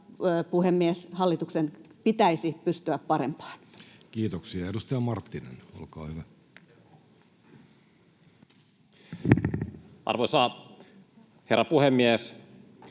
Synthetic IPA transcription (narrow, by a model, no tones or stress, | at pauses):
puhemːieshɑlːit̪uksenpit̪æisipyst̪yæppɑɾḛmpɑ̥ːnkiːt̪oksiɑedust̪ɑjɑmɑrt̪ːinḛno̰lkɑ̰ːhyʋæ | ʔɑ̰rʋosɑː | herːɑpuhemːies